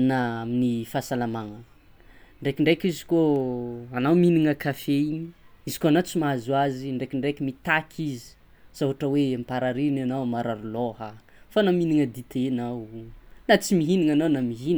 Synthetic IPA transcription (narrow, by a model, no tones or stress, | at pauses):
naaminifasalamaŋə | ɳɖ͡ʐekiɳɖ͡ʐekizi̥koanawminiŋəkafeɲizi̥koanat͡simazwaziɳɖ͡ʐekiɳɖ͡ʐekimit̪akʲʰizi̥ | z̥aɦaʈ͡ʂəwempaɾaɾinanawmaɾaɾulohə | fanaminiŋəd̪it̪ʰenawnat͡simiɦiniŋanawnamiɦin